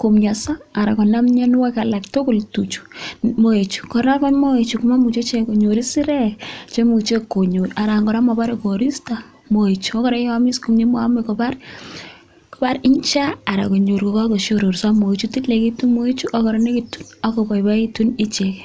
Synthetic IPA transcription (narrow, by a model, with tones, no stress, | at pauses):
ko˨mɲa˨sa˦a˨ɾa˨kɔ˨na˦mɲe˦n˦wa˦ka˨la˨kto˦ko˨ltu˨t͡ʃu̥˨mo˨e˨t͡ʃu̥˨kɔ˨ɾa˦kɔ˦nmo˦e˨t͡ʃu˨ku˨ma˦mu˨t͡ʃe˦t͡ʃe˦ko˨ɲo˨ɾi˦si˦ɾɛ˦t͡ʃe˦mu˨t͡ʃe˦ko˨ɲo˨ɾa˨ɾa˨ŋɡɔ˨ɾa˦mɔ˨ba˦ɾe˦ko˨ɾi˦sta˨ | mo˨e˨t͡ʃuɔ˦kɔ˦ɾɛ˦ja˦mi˦sko˨mɲe˦mo˦a˦me˨kɔ˨pa˦r | kɔ˨pa˦ɾɪ˦nt͡ʃa˦a˨ɾa̰˨ko˨ɲo˨ɾko˨ka˦ko˨ʃo˨ɾo˨ɾsa˦mo˨e˨t͡ʃu˦ti˦tle˨ki˦tu˦mo˦e˦t͡ʃu˦ʔa˦kɔ˨ɾɔ˦ne˦ki˨tu˦na˨ko˨pa˨jpa˦i˦tu˦ni˦t͡ʃek